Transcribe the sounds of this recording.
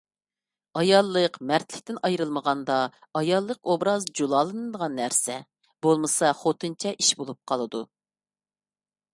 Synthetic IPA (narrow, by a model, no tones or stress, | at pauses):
ɑjɑlˠːəqmæɾt̪lɪkʲt̪ɪnɑjɾɨlˠməʁɑnd̪ɑ | ɑjɑlˠːəqobɾɑzd͡ʒulˠɑːlˠɨnɨd̪əʁɑnːæɾsɛ | b̥olˠmɨsɑχot̪ʰɨnt͡ʃʰɛʔiʃbolˠup̚qʰɑlˠɨd̪u